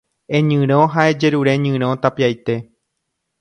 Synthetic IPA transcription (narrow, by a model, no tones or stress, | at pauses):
ẽɲɨ̃ɾ̃õɦaed͡ʒe̞ɾuɾe̞ɲɨ̃ɾ̃õ̞t̪apiajt̪e̞